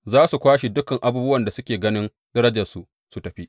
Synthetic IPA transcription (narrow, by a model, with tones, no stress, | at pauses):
zaː˦su˨kʷaː˦ʃi˨dʊ˦kɐ˨ŋʔa˦buː˦bʊ˦wɐ˨nda˨sʊ˦kʲeː˨ɡɐ˦nɪ˦n | dɐ˦ɾɐ˦d͡ʒɐ˨rsu˨ʔ | su˨tɐ˨ɸi˦ʔ